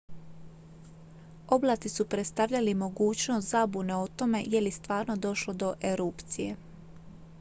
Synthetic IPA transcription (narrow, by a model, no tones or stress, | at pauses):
o̞blˠaːt̪isupɾet̪st̪aʋʎalimo̞ɡuːt͡ɕnost̪zabuneot̪o̞me̞̰je̞list̪ʋaːɾno̞d̪o̞ʃlo̞d̪o̞ʔeɾupt̪sije̞̰